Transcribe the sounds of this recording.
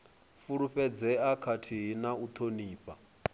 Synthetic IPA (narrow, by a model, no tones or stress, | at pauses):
fuɺuɸɛd͡zɛakʰatʰiɦinaut̪ʰoniːpʼa